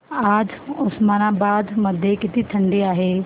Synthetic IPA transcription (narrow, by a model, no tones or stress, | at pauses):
aːd͡ʒʊsmaːnabaːd̪mɐd̪ʱjekɪt̪it̪ʰɐ̃ɳɖiaːɦeː